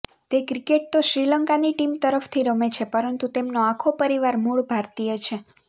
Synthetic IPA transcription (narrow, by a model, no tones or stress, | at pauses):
t̪ekɾikeʈ̚t̪oʃɾiləŋkaniʈimt̪əɾəft̪ʰiɾəmet͡ʃʰepəɾənt̪ut̪emnoakʰopəɾiʋaɾmuɭbʱaɾt̪ijət͡ʃʰe